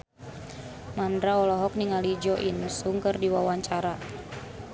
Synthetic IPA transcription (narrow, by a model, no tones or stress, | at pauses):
mandɾaɔlɔɦɔk̚niŋalid͡ʒɔʔinsuŋkɨrdiwawaɲt͡ʃaɾa